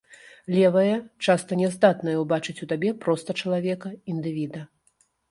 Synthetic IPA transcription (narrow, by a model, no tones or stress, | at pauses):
lʲɛvɐjɐt͡ʂast̪ɐnʲɛzd̪at̪nɐjɐwbat͡ʂɨt͡sʲut̪abʲɛpɾɔst̪ɐt͡ʂɐlˠavʲɛkɐind̪ɨvʲid̪ɐ